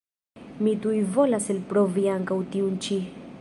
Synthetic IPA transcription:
mit̪ujvolaselpɾoviaŋkawt̪iunt͡ʃi

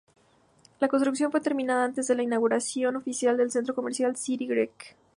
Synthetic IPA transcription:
lako̞nst̪ɾuks̬jo̞nfwe̞t̪e̞ɾmĩnaðaant̪e̞zðe̞lainaɣuɾasjo̞no̞fisjald̪e̞lsent̪ɾo̞ko̞me̞ɾsjalsiɾiɣɾek

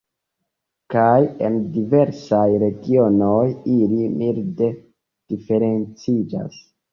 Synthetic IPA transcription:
kaje̞̰ndive̞ɾsajɾe̞ɡionojilimilde̞ | d̥ife̞ɾe̞nt͡sid͡ʒa̰s

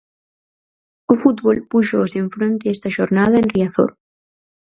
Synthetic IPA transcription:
ofut̪βolpuʃoseɱfɾont̪eest̪aʃoɾnaðaenriaθo̰ɾ

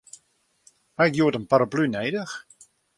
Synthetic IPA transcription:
hakjuətənpaɾəplynejdəx

